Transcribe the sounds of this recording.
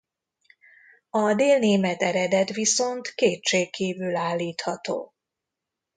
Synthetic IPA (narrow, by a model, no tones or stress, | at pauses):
ɒd̪eːlneːmɛt̪ɛɾɛd̪ɛt̪ʋiso̞nt̪keːt̪ʃeːkkːiːvylaːlːiːt̪hɒt̪o̰ː